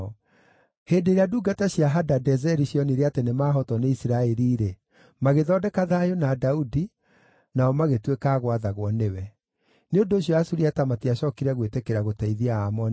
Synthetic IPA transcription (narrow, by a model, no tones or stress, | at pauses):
ɔ | heːndeiɾeaduːɡataɕjaɦadadɛzɛɾiɕjɔniɾeatenemaːɦɔtɔneisiɾaɛɾiːɾe | maɣeðɔdɛkaðajonadaudi | naɔmaɣetwekaːɣwaðaɣwɔnewɛ | neondoːɕjɔasuɾiatamatiaɕɔkiɾɛɣwetekeɾaɣotɛiðiaamɔn